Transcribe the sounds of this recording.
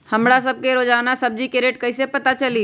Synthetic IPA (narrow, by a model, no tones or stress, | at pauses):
həmɽas̬əb̚keɾoːd͡ʒaːʋnasɐb̚d͡ʒikeɾeːʈ̚kəɦisepɐt̪at͡ʃɐliː